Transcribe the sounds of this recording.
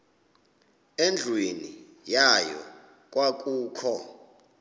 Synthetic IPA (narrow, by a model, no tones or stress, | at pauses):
end͡ɮʱweni | jajɔ̰ | k̬ʼwak̬ʼuːkʰɔ